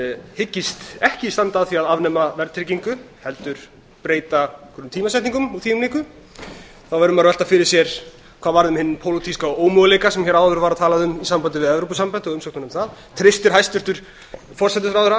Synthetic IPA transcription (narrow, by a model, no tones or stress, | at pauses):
hɪcːɪst̪ɛhcɪist̪ant̪aðθiaðavnɛmavɛɾt̪ʰɾɪciŋkʏ | hɛlt̪ʏɾ̥ | pɾeːjt̪akʰɾnt̪ʰiːmasɛh̪niŋkʏmɔθiːʏmniːkʏ | θawvɛɾʏmaɾvɛl̥t̪afɪɾɪ̥sjɛɾ̥ | kʰvaːðvaɾðʏmhɪnːɪmpʰowlot̪ʰiskaoːwmɔɣlejkasɛmçɛɾawðʏɾvaɾaðt̪ʰaːlaðʏmisampant̪ɪvɪðɛvɾowpʏsampant̪ɪɔɣʏmsɔokt̪nʏmθaðt̪ʰɾɪst̪ɪɾ̥hajst̪ʏɾt̪ʏɾ̥ | fɔr̥sɛt̪ɪsɾawðɛɾa